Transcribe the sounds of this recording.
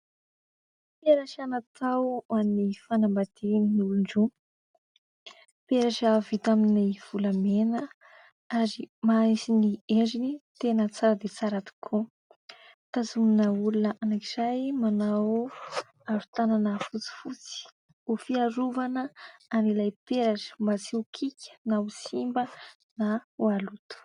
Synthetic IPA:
pieɾaʃanat̪awannifanambad̪̥ininiuluɳɖ͡ʐu | peɾaʃavit̪aminiv̥ulamenə | aɾimaisinied͡ʒinit̪enət͡saɾəd̪et͡saɾat̪i̥kʰu | t̪azuninəulunəʔanakiz̥ajmanaw | aɾut̪ananəfut͡si̥fut͡si̥ | ufiaɾuvanəanilajpeɾaʈ͡ʂə̥mbat͡siukʰikʲə̥nausimbə | naualut̪u̥

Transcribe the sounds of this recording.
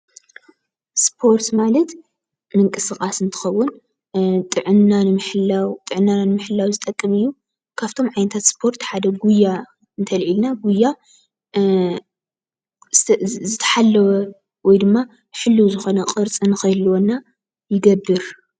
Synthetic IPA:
spʰo̞ɾt̪malɐt̪ | mɨŋkʼɨsɨxʼasɨnt̪ʰɨ̥xɐwːʊn | t̪ʼɨʕɨnːanɨmħɨlawt̪ʼɨʕɨnːananmɨħɨlːawzɨt̪ʼɐkʼːɨmɨjːu | kʰaβt̪ʰo̞mʕajnɐt̪ʰat̪spʰo̞ɾt̪ħad̪ɐɡujːa | ɨnt̪ʰɐlʕilnaɡujːa | zɨt̪ʰɐ̥ħalːɐwɐ | wɔjd̪ɨmːa | ħɨlːuwzɨxo̞nɐqʼɨɾt͡sʼɨnɨxɐjlwonːa | jɪɡɐbːɨɾ

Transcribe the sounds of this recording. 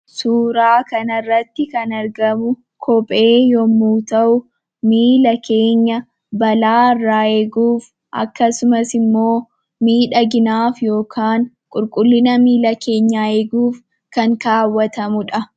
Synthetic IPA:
suːɾaːkɐnɐrːɐt̪ːɪkɐnɐɾɡɐmʊ | kʰɔpʼe̞ːjɔmːuːt̪ɐʔʊ | miːlɐkʰe̞ːɲːɐ | bɐlaːɪrːaːeːɡuːf | ʔɐ̰kːɐsʊmɐsɪmːo̞ː | miːᶑɐɡɪnaːfjo̞ːkʰaːn | kʼʊɾkʼʊlːɪnɐmiːlɐkʰe̞ːɲːaːeːɡuːf | kɐŋkaːwːɐt̪ɐmʊᶑɐ

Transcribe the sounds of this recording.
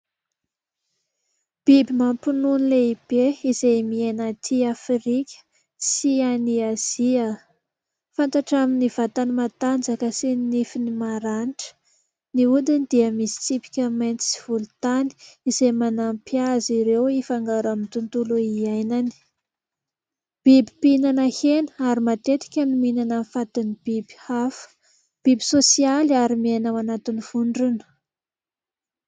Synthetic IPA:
b̥ibimampununileib̥eizejmienat̪ʰiafɾikʲə̥ | sianiaz̥iə | fant̪aʈ͡ʂaminiv̥at̪animat̪and͡zakəsinifinimaɾanʈ͡ʂə̥ | niud̪ind̪iəmisi̥t͡sipi̥kʲəmajnt͡s̪i̥siv̥ulut̪ani̥izemanampjaziɾewifaŋɡaɾamint̪unt̪uluiajnani̥ | b̥ibi̥pinanəhenəaɾimat̪et̪i̥kʲənuminanamifat̪inib̥ibi̥afə̥ | b̥ibisosialaɾimianawanat̪iniv̥uɳɖ͡ʐunə̥

